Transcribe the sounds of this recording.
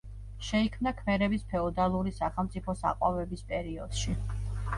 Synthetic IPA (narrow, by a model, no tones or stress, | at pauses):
ʃɛikʰmnakʰmɛɾɛbispʰɛɔd̪alˠuɾisaχɛlˠmt̪sʼipʰɔsa̰qʼwavɛbispʼɛɾiɔd̪̥ʃi